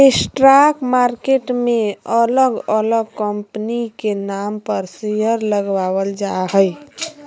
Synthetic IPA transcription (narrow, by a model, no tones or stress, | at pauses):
esʈɾakmaɾkeʈmeələɡələɡkəmpənikenampəɾsijəɾləɡʋawəld͡ʒaɦəj